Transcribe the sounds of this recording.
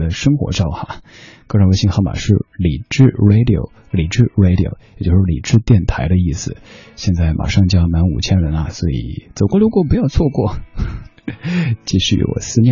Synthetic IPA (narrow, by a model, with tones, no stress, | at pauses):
d̪ə˦ʂɤ˥ŋxwɔ̰˧˥ʈ͡ʂɑ˥˩ʊxa̰˨˩ | kɤ˥˧ɻwe˥ɪɕi˥ŋxɑ˥˩ʊma̰˨˩ʂɻ̩˥˩li˨˩ʈ͡ʂɻ̩˥˧ɹe˧˥ɪd̪i˨o̰˨˧˩ʊ | li˨˩ʈ͡ʂɻ̩˥˧˩ɹe˥ɪɾi˨o̰˨˩ʊjjjt͡ɕjo˥˧ʊʂɻ̩˥˩lḭ˨˩ʈ͡ʂɻ̩˥˧t̪jɛ˥˩nt̪ʰa˧˥ɪɾə˧i˥˩sɹ̩˩ɕjɛ˥˧nt͡sa˥˩ɪmʔa̰˨˩ʂɑ˥˧ŋt͡ɕjɑ˥ŋma˧˥nṵ˨˩t͡ɕʰjɛ˥nɻə˧˥nɐ˧swɔ˧˥ḭ˨˩˦t͡so˨˩ʊkwɔ˥˩ljo˧˥ʊkwɔ˥p̬u˧˥jɑ˥˧ʊt͡sʰwɔ˥˧kwɔ˥˩ | t͡ɕi˥˩ɕy̰˥˩wɔ̰˨˩sɹ̩˥˧njɛ˥˧